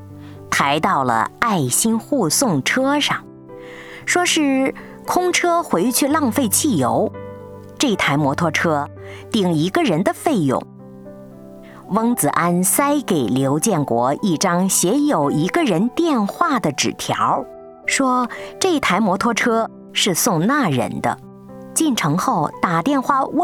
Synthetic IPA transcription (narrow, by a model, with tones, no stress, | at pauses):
t̪ʰa˧˥ɪt̪ɑ˥˩ʊlə̰˩a˥˩ɪɕi˥nxu˥˧sʊ˥˩ŋʈ͡ʂʰɤ˥ʂɑ˥˩ŋ | ʂwɔ˥ʂɻ̩˥˩ | kʰʊ˥ŋʈ͡ʂʰɤ˥xwe˧˥ɪt͡ɕʰy˥˧lɑ˥˧ŋfe˥˧ɪt͡ɕʰi˥˩jo˧˥ʊ | ʈ͡ʂɤ˥˩i˧˩t̪ʰa˧˥ɪmwɔ˧˥t̪ʰwɔ˥ʈ͡ʂʰɤ˥ | t̪i˨˩ŋi˧˥ɡə˧ɻə˧˥nd̪ə˧fe˥˩ɪjʊ̰˨˩ŋ | wɤ˥ŋt͡sɹ̩˨˩ʔa˥nsa˥ɪke˨˩ɪljo˧˥ʊt͡ɕjɛ˥˩nkwɔ̰˧˥i˥˩ʈ͡ʂɑ˥ŋɕjɛ˧˥jo˨˩ʊi˧˥ɡə˧ɻə˧˥nt̪jɛ˥˧nxwa˥˩d̪ə˩ʈ͡ʂɻ̩˨˩t̪ʰjɑ̰˧˥ʊ | ʂwɔ˥ʈ͡ʂɤ˥˩˥t̪ʰa˧˥ɪmwɔ˧˥t̪ʰwɔ˥ʈ͡ʂʰɤ˥ | ʂɻ̩˥˧sʊ˥˧ŋna˥˩ɻə̰˧˥nd̪ə̰˧ | t͡ɕi˥˩nʈ͡ʂʰɤ˧˥ŋxo˥˩ʊt̪a˨˩t̪jɛ˥˧nxwa˥˩w